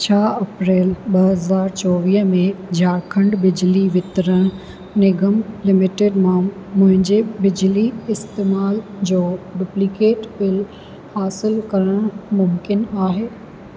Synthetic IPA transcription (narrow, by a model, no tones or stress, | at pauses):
t͡ɕʰaːɐpɾeːlɓɐɦɐzaːɾt͡ɕɔːʋiːɦmẽd͡ʑaːɾkʰɐ̃ɳɖbɪd͡ʑliʋɪt̪ɾəɽ̃ | nɪɡəmlɪmɪʈeːɖmãmʊ̃ɦɪ̃ɲd͡ʑebɪd͡ʑliɪst̪eːmaːld͡ʑoːɖuplikeːʈbɪl | haːsɪlkɐɾəɽ̃mʊmkɪnaːɦeː